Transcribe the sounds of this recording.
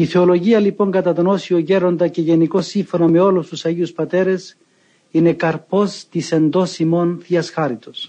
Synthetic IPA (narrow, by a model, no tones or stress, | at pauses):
iθeo̞lo̞ʝiɐlipo̞ŋɡɐt̪ɐt̪o̞no̞sioʝe̞ɾo̞nd̪ɐce̞ʝe̞niko̞siɱfo̞nɐme̞o̞lust̪usɐʝiuspɐt̪e̞ɾe̞s | ine̞kɐɾpo̞st̪ise̞nd̪o̞simo̞nθiɐsxɐɾit̪o̞s